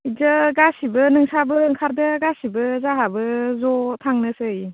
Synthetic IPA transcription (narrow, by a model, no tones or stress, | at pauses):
izɯɡasibɯnɯŋsabɯɯŋkʰaɾdɐɡasibɯzaɦabɯzɔtʰaŋnɯsɯj